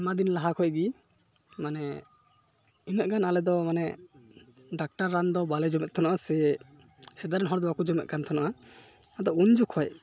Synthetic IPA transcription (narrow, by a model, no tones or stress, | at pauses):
mad̪inlaɦakʰɔjɡi | manɛ | inɔʔ̚ɡanalɛd̪ɔmanɛ | ɖak̚ʈaɾːand̪ɔbalɛd͡ʒɔmɛt̪̚t̪ʰɔnaʔasɛ | sɛd̪aɾɛnɦɔɾd̪ɔwakud͡ʒɔmɛt̪̚kant̪ʰɔnaʔa | ad̪ɔund͡ʒukʰɔj